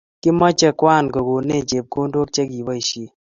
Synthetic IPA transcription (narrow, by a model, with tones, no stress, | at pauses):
kɪ˦mɔ˦t͡ʃɛ˦kwa˦˨nkɔ˨ɡo˨ne˦˨t͡ʃe˨p̚ko˦ndo˦k̚t͡ʃɛ˦ɡi˨bɔ˦i˨ʃi˦˨